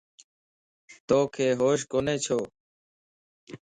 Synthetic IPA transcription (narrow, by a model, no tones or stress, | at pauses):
t̪oːkʰeːɦoːʃ̬koːneːt͡ʃʰoː